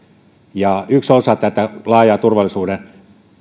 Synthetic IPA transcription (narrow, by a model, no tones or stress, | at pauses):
jɑyksosɑt̪æt̪ælɑːjɑːt̪urʋɑlisuːden